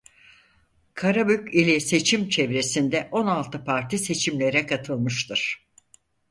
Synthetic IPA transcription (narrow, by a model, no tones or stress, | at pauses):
kʰaɾabykilʲɛse̞t͡ʃʰimt͡ʃʰevɾe̞sind̪ɛʔo̞nalˠt̪ʰɯpʰaɾt̪ʰise̞t͡ʃʰimlʲe̞ɾɛkʰat̪ʰɯlˠmɯʃt̪ɯɾ̥